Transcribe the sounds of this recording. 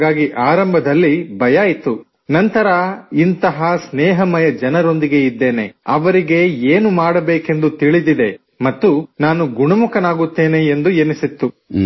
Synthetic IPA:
ɡaːɡiʔaːɾɐmbʱɐd̪ɐlːibʱɐjaːjit̪ːu | nɐnt̪ɐɾɐint̪ɐɦɐsnɛːɦɐmɐjɐd͡ʒɐnɐɾo̞nd̪iɡe̞id̪ːe̞ːne̞ɐʋɐɾiɡe̞eːnumaːɽɐbeːke̞nd̪ut̪iɭid̪id̪e̞ | mɐt̪ːunaːnuɡuɳɐmukɐnaːɡut̪ːe̞ːne̞ːnd̪uenisit̪ːu

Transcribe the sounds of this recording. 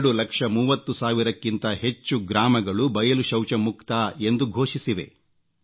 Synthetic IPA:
ɽulɐkʂɐmuːʋɐt̪ːusaːʋiɾɐkːint̪ɐɦe̞t͡ʃːuɡɾaːmɐɡɐɭubɐjɐluʃɐwt͡ʃɐmukt̪aːe̞nd̪uɡʱo̞ːʃisiʋe̞̰

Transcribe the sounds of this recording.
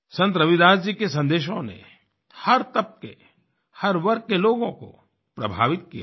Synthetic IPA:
sɐ̃nt̪̬ɾɐʋɪd̪aːd͡ʒd͡ʒikes̬ɐ̃nd̪eːʃ̬õnḛ | hɐɾt̪ɐp̚kḛ | hɐɾʋɐɾk̚ːeloːɡõko̰ | pɾɐbʱa̰ːʋɪt̪̚kijaː

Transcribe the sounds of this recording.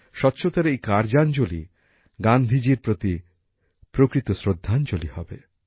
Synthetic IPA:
ʃɔtːʃʰot̪aɾeejkaɾd͡ʑand͡ʑolḭ | ɡand̪ʱid͡ʑiɾpɾot̪i | pɾokɾit̪osɾod̪ʱːant͡ʃolihɔ̰bḛ

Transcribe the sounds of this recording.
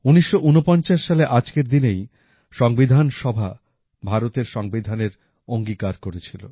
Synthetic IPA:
uniʃːoʔunopɔnt͡ɕaʃːaleʔad͡ʑkeɾd̪inej | ʃɔŋbid̪ʱanʃɔbʱa̰ | bʱaɾot̪eɾʃɔŋbid̪ʱaneɾ | oŋɡikaɾkoɾet͡ɕʰilo̰

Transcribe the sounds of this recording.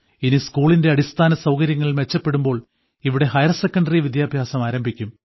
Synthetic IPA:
iniskuːɭinde̞ɐɽist̪ʰaːnɐsɐwkɐɾjɐŋːɐɭilme̞t͡ɕːɐpːe̞ɽumbo̞ːɭ | iʋiɽe̞ɦɐjɐrsekːɐɳɖɐriʋid̪jaːbʱjaːsɐmaːɾɐmbʱikʲːum

